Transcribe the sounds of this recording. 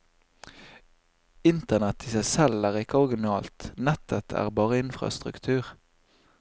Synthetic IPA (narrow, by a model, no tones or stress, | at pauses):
ɪnt̪ənɛt̪ʰɪsæɪsɛlæːʁɪkəɔʁɡɪnɑːlt̪nɛt̪ʰət̪ʰæ̰ːʁbɑːʁəɪnfʁɑ̰st̪ʁʉ̰kt̪ʰʉːʁ